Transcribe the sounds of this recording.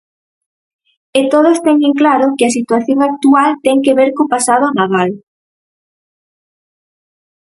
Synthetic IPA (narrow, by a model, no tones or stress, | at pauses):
et̪oð̞ost̪ɛŋeŋklaɾokɪas̬it̪waθjoŋak̚t̪ualt̪ɛŋkeβeɾkopasað̞onaðal